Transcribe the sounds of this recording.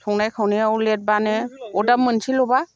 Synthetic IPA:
tʰɔŋnajkʰawneawlet̚baneɔdap̚mːɯnsʰilɔba

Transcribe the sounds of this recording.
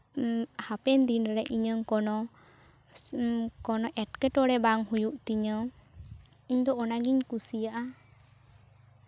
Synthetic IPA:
hapɛnd̪inɾɛʔiɲəŋkɔnɔ | kɔnɔʔɛʈ̚kɛʈɔɽɛbaŋhujuʔt̪iɲə | iɲd̪ɔɔnaɡiɲkusijaʔa

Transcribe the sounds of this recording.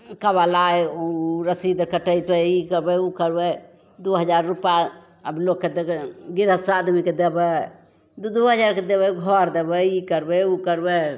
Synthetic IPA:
kəbalaeuɾəsid̪kəʈəjt̪bɛikəɾbɛukəɾbɛ | d̪uɦəd͡ʒaɾːupja | əbilokːed̪ɡiɾət̪sad̪miked̪ebɛ | d̪ud̪uɦəd͡ʒaɾked̪eβɛɡʱɔɾd̪ebɛikəɾbɛukəɾbɛ

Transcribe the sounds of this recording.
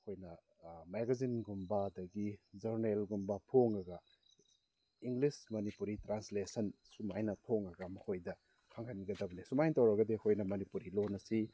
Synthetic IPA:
ɐkʰojnɐ | meɡɐzinɡumbɐdɐɡid͡ʒɐɾnelɡumbɐtʰoŋɐɡɐ | iŋɡlismɐnipuɾitɾanslesɐnsumajnɐtʰoŋɐɡɐmɐkʰojdɐ | kʰaŋhʰaniɡɐdɐbɐnisumajntɐwɾɐɡɐdeɐkʰojnɐmɐnipuɾilonɐsi

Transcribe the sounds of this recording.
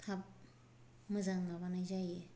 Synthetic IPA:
tʰap̚ | mɯzaŋnaβanajzaje

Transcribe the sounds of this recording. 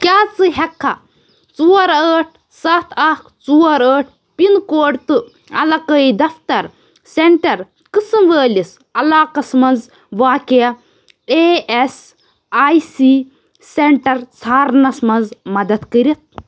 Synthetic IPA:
kʲaːt͡sɨɦɛkʰːa | t͡suːɐɾəːʈʰ | sɐt̪ʰɐkt͡suwɐɾəːʈʰ | pinkoːɖt̪ɨ | ɐ̰lɐkəid̪ɐft̪ɐɾ | seɳʈɐɾ | kɨsɨmʋəːlis | ɐlaːkɐsmɐnd͡z | ʋaːkʲɐjɐ | ees | aːjsi | seɳʈɐɾsʰaːɾnɐsmɐnd͡zmɐd̪ɐt̪kəɾit̪̚

